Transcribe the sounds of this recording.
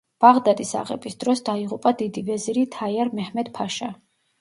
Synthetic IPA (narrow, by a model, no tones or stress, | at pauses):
b̥aʁd̪ad̪isa̰ʁɛ̰bisd̪ɾɔsd̪aiʁupʼad̪id̪ivɛziɾit̪ʰaiaɾmɛhmɛd̪pʰaʃa